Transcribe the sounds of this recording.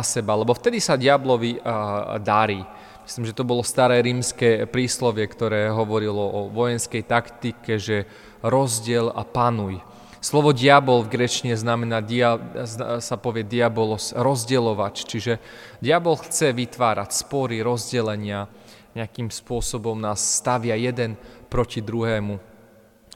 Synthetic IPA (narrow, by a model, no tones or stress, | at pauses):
asɛbalɛbɔft̪ɛd̪isaɟɪablɔʋid̪aɾiː | mi̥sliːmʒɛt̪ɔbɔlɔst̪aɾɛːɾiːmskɛpɾiːslɔʋɪɛkt̪ɔɾɛːɦɔʋɔɾilɔʔɔʋɔjɛnskɛjt̪akt̪ikɛʒɛ | ɾɔzɟɪɛla̰panuj | slɔʋɔɟɪabɔlvɡɾɛt͡ʃiɲɛznamɛnaːd̪i | sapɔʋɪɛd̪iabɔlɔsɾɔzɟɛlɔʋact͡ʃiʒɛɟɪabɔlxt͡sɛʋit̪ʋaːɾacspɔɾiɾɔzɟɛlɛɲɪa | ɲɛakiːmspʊɔsɔbɔmnaːsːt̪aʋɪajɛd̪ɛnpɾɔcid̪ɾuɦɛːmu